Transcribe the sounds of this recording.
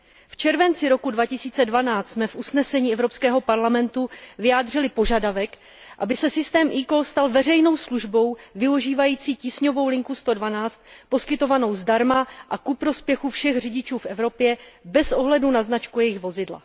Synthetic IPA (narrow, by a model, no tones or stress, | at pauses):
ft͡ʃɛɾvɛnt͡sɪɾo̞kudvacɪsiːt͡sɛdvanaːt͡st̪smɛfʔusnɛsɛɲiːɛvɾo̞pskɛːɦo̞paɾlamɛnt̪uvɪjaːd̪r̝ɪlɪpo̞ʒadavɛk | ʔa̰bɪsɛsɪst̪ɛːmʔiːkolst̪alvɛr̝ɛjno̞wsluʒbo̞wvɪuʒiːvajiːt͡siːciːsɲo̞vo̞wlɪŋkust̪o̞dvanaːt͡st̪po̞skɪt̪o̞vano̞wzdaɾmaʔakupɾo̞spjɛxufʃɛxr̝ɪɟɪt͡ʃuːfʔɛvɾo̞pjɛbɛsʔo̞ɦlɛdunaznat͡ʃkujɛjɪxvo̞zɪdla̰